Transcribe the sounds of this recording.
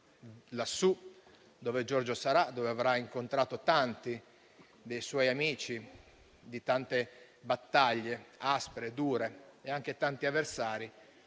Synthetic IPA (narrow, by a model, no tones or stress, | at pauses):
lasːu | d̪ɔːved͡ʒɔrd͡ʒosaɾad̪ɔveavɾaiŋkont̪ɾaːt̪ot̪ant̪i | d̪ejswɔjamiːt͡ʃi | d̪it̪ant̪e | bat̪ːaʎːeaspeɾed̪uːɾeeaŋk̟et̪ant̪iavːersaːɾi